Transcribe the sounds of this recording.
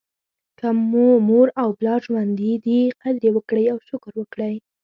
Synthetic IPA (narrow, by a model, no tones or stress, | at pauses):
kamːomoɾawblɑʒwand̪id̪iqad̪ɾjewəkɽəjawʃʊkɾwəkɽəj